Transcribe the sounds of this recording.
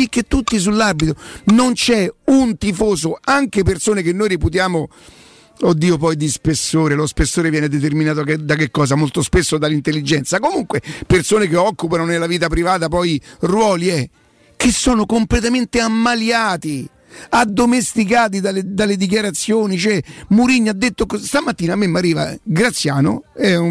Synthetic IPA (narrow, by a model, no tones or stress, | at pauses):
ik̟ːet̪ːut̪ːis̬ulːabit̪ɾonont͡ʃɛunt̪ifoːzoaŋkepersoːnekenːojɾiput̪jaːmo | od̪ːiːopɔjd̪ispesːoːɾelospesːoːɾevjɛːned̪et̪̬erminaːt̪̬od̪akekːɔːzamolt̪ospesːod̪alːint̪elːid͡ʒɛnt̪sakomuŋkwepersoːnekeɔkːupanonelaviːt̪apɾivaːt̪apɔjrwɔːliɛ | k̟ːesːoːnokomplet̪ament̪eamːaljaːt̪i | ad̪ːomest̪ikaːt̪̬id̪aled̪alːed̪ik̬jaɾat̪sːjoːnit͡ʃoɛmuɾiɲːad̪ːet̪ːokst̪amat̪ːiːnamːemːarːiːva̰ɡɾat̪sːjaːno̰ɛ